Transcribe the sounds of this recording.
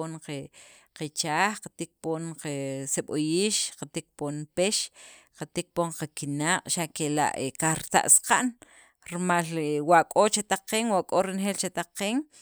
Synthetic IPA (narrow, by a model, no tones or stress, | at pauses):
oɴqe | qet͡ʃaːxqḁt̪ik̚poːnqeseɓojiːʃqat̪ik̚ponpeʃqat̪ik̚poɴqakinaːqʼʃaʔkela̰ʔekaxɾit̪a̰ʔsqa̰ʔn | ɾimalwaʔkʼot͡ʃat̪aqeːŋwaʔkʼoɾinxeːlt͡ʃat̪aqeːŋ